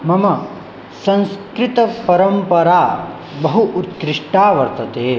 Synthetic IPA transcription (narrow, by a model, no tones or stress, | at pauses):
mɐmɐ | sɐ̃nskɾit̪ɐpɐɾɐmpɐɾaː | bɐɦuʔut̪kɾiʂʈaːʋɐɾt̪ɐt̪eː